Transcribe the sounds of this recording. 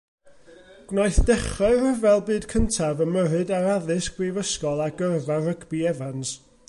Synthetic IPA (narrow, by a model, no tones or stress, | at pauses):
ɡ̥wnajθd̥ɛχɔɾəvɛlˠbɨːdkʰəntʰavəməɾɨdaɾaðɨsɡ̥rivəskɔlˠaɡərvarəɡbiɛvans